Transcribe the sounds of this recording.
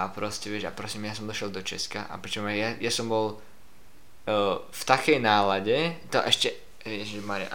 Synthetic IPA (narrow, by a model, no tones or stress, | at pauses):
apɾɔscɛʋɪɛʃapɾɔsiːmjasɔmd̪ɔʃjɛld̪ɔt͡ʃɛska̰ʔa̰pɾit͡ʃɔmajajasɔmbɔl | ft̪akɛjnaːlaɟɛt̪ɔ̰ʔɛʃcɛ | ʋɪɛʃɛmaɾɪ̰ʔ